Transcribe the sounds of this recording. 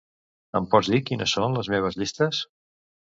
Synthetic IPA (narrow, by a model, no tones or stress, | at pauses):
əmpɔd͡zzðikinəsːonləzmeβ̞əzʎist̪əs